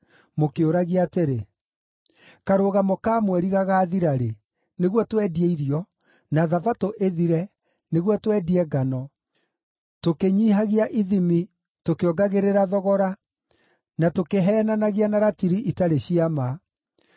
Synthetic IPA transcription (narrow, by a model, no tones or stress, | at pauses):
mokeoɾaɣiateɾe | kaɾoːɣamokaːmwɛɾiɣaɣaːðiɾaɾe | neɣwɔtwɛdiɛiɾiɔ | naðavatoʔeðiɾɛ | neɣwɔtwɛdiɛɡanɔ | tokeɲiːɦaɣiaʔiðimi | tokeɔɡaɣeɾeɾaðɔɣɔɾa | natokeɦɛːnanaɣianaɾatiɾiʔitaɾeɕiama